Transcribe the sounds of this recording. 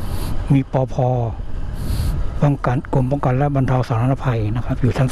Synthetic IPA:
miː˧˨pɔː˧pʰɔː˧ | pɔ˧˨ŋka˨nko˧˩mpɔː˧˨ŋka˨nlɛ˦˥ʔba˧˨nt̪ʰa˧wsaː˨˦t̪ʰa˧na˧pʰa˧˩jna˧˩kʰa˦˥p̚juː˨˩t͡ɕʰa˦˥n

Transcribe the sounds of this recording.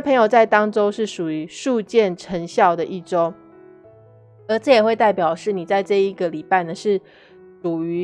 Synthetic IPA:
pʰə˧ŋjo˨ʊt͡sa˥˩ɪt̪ɑ˥ŋʈ͡ʂo˥ʊʂɻ̩˥˩ʂu˨˩y˧˦ʂu˥˧t͡ɕjɛ˥˩nʈ͡ʂʰə˧˥ŋɕjɑ˥˩ʊd̪ə˨ʔi˥˩ʈ͡ʂo˥ʊ | ə˧˥ʈ͡ʂɤ˥˩jɛ˨˩xwe˥˧ɪt̪a˥˩ɪpjɑ˨˩ʊʂɻ̩˥˩ni˨˩t͡sa˥˧ɪʈ͡ʂɤ˥˧i˧˥ɡə˨li˨˩pa˥˩ɪnə˩ʂɻ̩˥˩ | ʂu˨˩y˧˦˥

